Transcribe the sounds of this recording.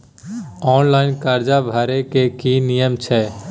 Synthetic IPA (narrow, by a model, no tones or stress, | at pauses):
ɔːnlaːɪnkaːɾd͡ʒabʱaːɾekekinijəmt͡ʃʰɛː